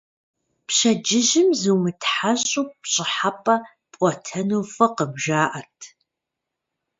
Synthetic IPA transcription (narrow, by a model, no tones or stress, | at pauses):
pɕɐd͡ʒɪʑɪmzɨwmɨtʰħaɕʼupɕʼɪħapʼɐ | pʷʼɔtʰɐnowfɐqəbʒaːʔɐrtʰ